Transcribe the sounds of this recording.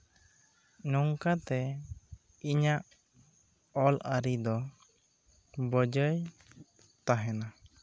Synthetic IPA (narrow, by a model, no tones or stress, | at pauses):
nuŋkat̪ɛ | iɲaʔ | ɔlaɾid̪ɔ | bəd͡ʒəj | t̪aɦɛna